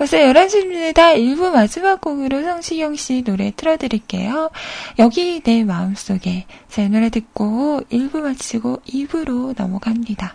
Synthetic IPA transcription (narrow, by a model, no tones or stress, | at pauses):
kʌsʰʌjʌɾʌnɕʰiɲinedaiɭbumad͡ʑimak̚k͈oɡɯɾosʰʌŋɕʰiɡjʌŋɕ͈inoɾe̞t͈ʰɯɾʌdɯɾiɭk͈e̞̰jojʌɡine̞maɯms͈oɡe̞t͡ɕʰenɯɾetɯk̚k͈oiɭbumat͡ɕ͈ʰiɡoibuɾonʌ̰mʌɡamɲida